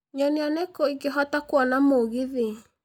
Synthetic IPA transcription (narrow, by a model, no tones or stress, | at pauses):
ɲɔneanɛkɔiɡeɦɔtakwɔnamoɣiði